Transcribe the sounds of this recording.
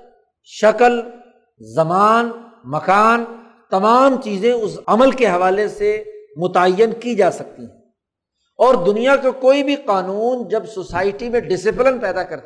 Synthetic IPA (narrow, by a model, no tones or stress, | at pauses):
ʃɐkəl | zɐmaːn | mɐkaːn | t̪ɐmaːmt͡ʃiːzẽʊsɐməlkeɦɐʋaːlesemʊt̪aəjːənkid͡ʒaːsɐk̚t̪iɦɛ̃ | ɔːɾd̪ʊnijakakoːibʱiqaːnuːnd͡ʒɐbsoːsaːɪʈimẽɖɪsɪplɪnpɛːd̪akɐɾt̪